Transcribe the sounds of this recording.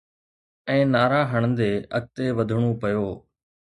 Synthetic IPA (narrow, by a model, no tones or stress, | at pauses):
ɛ̃ːnaːɾaːɦəɽ̃nd̪eːʔɐ̰k̚t̪eʋɐd̪ʱɽ̃opɐjoː